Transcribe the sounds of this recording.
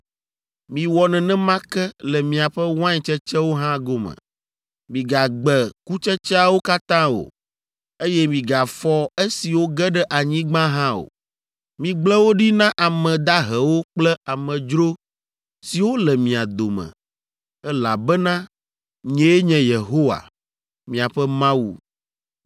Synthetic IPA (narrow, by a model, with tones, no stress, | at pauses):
mĩ˨wɔ˨nɛ̃˨nɛ̃˦mã˦kɛ˦lɛ˨mĩ˨a˨ɸɛ˦wã˦ɲɛ˨t͡ʃɛ˦t͡ʃɛ˦wo˦ɦã˦ɡo˦mɛ̰̃˨ | mĩ˨ɡa˨ɡ͡bɛ˨ku˦t͡ʃɛ˦t͡ʃɛ˦a˨wo˦ka˦t̪ã˦o̰˨ | e˦jɛ˦mĩ˨ɡa˨fɔ˦e˦si˨wo˦ɡɛ˦ɖɛ˦ʔa˨ɲĩ˦ɡ͡bã˦ɦã˦o̰˨ | mĩ˨ɡ͡blɛ˦wo˦ɖi˦nã˦ʔa˨mɛ̃˨d̪a˦ɦɛ˨wo˦k͡plɛ˦a˨mɛ̃˨d͡ʒɾo˦ | si˨wo˦lɛ˨mĩ˨a˨d̪o˨mɛ̰˨ | ɛ˦la˨bɛ˦nã˦ | ɲɛ̃˦e˦ɲɛ̃˨je˨ɦo˦wa̰˨ | mĩ˨a˨ɸɛ˦mã˦wṵ˨